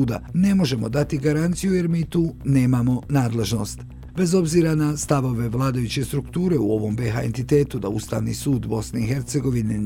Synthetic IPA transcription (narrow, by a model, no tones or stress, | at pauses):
uːd̪a̰ne̞mo̞ʒe̞mo̞d̪at̪iɡaɾant̪sijuje̞ɾmiːt̪uːne̞ːmamo̞naːd̪le̞ʒno̞̰st̪ | be̞zo̞bziːɾanast̪aʋo̞ʋe̞ʋlˠaːd̪ajut͡ɕe̞st̪ɾukt̪uːɾe̞uo̞ʋo̞mbe̞ɦa̰e̞nt̪it̪e̞ːt̪ud̪a̰ust̪a̰ːʋnḭsuːd̪bo̞sne̞ixe̞ɾt̪se̞ɡo̞ʋine